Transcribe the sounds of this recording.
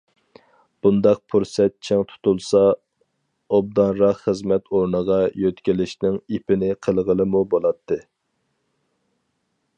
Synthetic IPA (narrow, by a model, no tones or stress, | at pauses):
b̥und̪ɑq̚pʰuɾsɛt̪̚t͡ʃʰɪŋt̪ʰu̥t̪ulˠsɑ | ob̚d̪ɑnɾɑχχəzmɛt̪ʰoɾnəʁɑjøt̪kʲilɪʃnɪŋipʰɪnɪqʰəlˠʁəlˠɨmubolˠɑt̪ʰːɨ